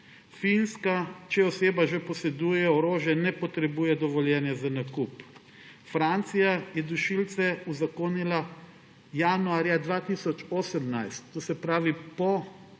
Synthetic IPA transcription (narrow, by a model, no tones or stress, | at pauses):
finskat͡ʃɛɔseːbaʒepɔsɛd̪uːjɛɔɾoːʒjɛnɛpɔt̪ɾɛbuːjɛd̪ɔʋɔljɛnjɛzanakup | fɾant̪sijajɛd̪uʃilt̪sɛuzakoːnila | januaːɾjad̪ʋaːt̪iːsɔt͡ʃoːsəmnajst̪ːoːsɛpɾaːʋipɔ